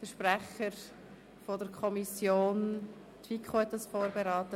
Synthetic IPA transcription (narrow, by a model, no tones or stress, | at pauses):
fəʃprɛχəɾ | fodəɾkʰɔmisjoːn | t̪vikχohɛtːdɑsfoːɾbeɾɑːtə